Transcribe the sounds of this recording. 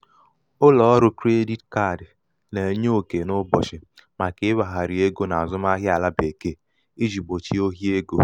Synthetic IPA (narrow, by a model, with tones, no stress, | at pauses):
ʊ˦lɔ˨ɔ˦ɾʊ˦kɾe˦di˦tka˦˨d | le˨˦ɲ˦o˦˨ke˨nʊ˦bɔ̰˨t͡ʃɪ˨ | ma˨kɪ˦ɪ˦wa˨ɦa˨ɾi˨e˦ɡo˦na˨a˨zʊ˦m˦a˦ɦjɪ˦a˨la˦be˨ke˦ | i˦d͡ʒi˨ɡ͡bo˨t͡ʃi˦o˦ɦi˦e˦ɡo˦